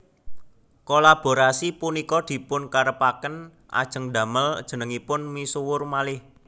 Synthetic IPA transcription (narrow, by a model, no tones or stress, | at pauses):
kolab̥o̤ɾasipunikɔd̪̥i̤pʊnkaɾəpakən | ʔa̰d̥ʒ̥ə̤ŋɖ̪a̤məld̥ʒ̥ə̤nəŋipʊnmisuwʊrmalɪh